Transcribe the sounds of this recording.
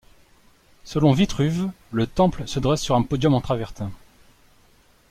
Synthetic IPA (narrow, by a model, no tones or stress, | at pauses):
səlɔ̃vit̪χyv | lət̪ɑ̃plsəd̪ʁɛsːyʁɛ̃pɔd̪jɔmɑ̃t̪χavɛʁt̪ɛ̃